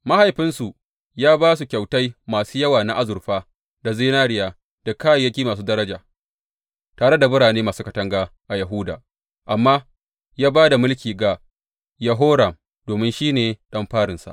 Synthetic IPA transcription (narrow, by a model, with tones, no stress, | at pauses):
ma˦ha˨jɸɪ˦nsu˨ | jaː˦baː˦s̬u˨kʲa˨wta˦jmaː˨suː˦jɐ˦waː˨na˦ʔa˦zʊ˨rɸaː˦ | da˨zɪː˦naː˦ɽɪ˦jaː˨ | d̥a˨kaː˦jjːɐ˦kʲiː˦maː˨s̬uː˦dɐ˦ɾɐ˦d͡ʒaː˨ | taː˨ɽe˦da˨bʊ˦ɽaː˨neː˦maː˨suː˦kɐ˨tɐ˦ŋɡaː˦ʔa˨jɐ˨ɦʊ˦da̰ː˨ | ʔa˨mːaː˦ | jaː˦baː˦da˨mʊ˦lkʲiː˨ɡa˨ | ja˨ɦoː˦ɽɐ˨m | d̥oː˨mɪ˦nʃiː˦neː˨ɗɐ˦mɸaː˦ɽɪ˨nsa̰˨ʔ